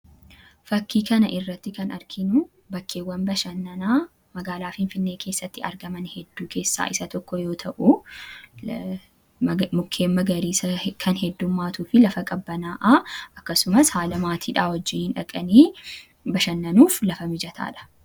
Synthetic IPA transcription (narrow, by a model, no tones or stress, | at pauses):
fɐkːiːkɐnɐʔɪrːɐt̪ːɪkɐnɐɾkʰɪnu | bɐkːe̞ːwːɐnbɐʃɐnːɐnaː | mɐɡaːlaːfɪnfɪnːe̞ːkʰe̞ːsːɐt̪ːɪɐ̰ɾɡɐmɐnhɛd̪ːuːkʰe̞ːsːa̰ːʔɪsɐt̪ɔkːɔjo̞ːt̪ʰɐʔʊ | mʊkʰːe̞ːmːɐɡɐɾiːsɐkʰɐnhɛd̪ːʊmːaːt̪uːfɪlɐfɐkʼɐbːɐnaːʔaʔɐkːɐsʊmɐshaːlɐmaːt̪ʰiːᶑaːwɔd͡ʒːɪːnhɪnᶑɐkʼɐniː | bɐʃɐnːɐnuːflɐfɐmɪd͡ʒɐt̪ʰa̰ːᶑɐ̥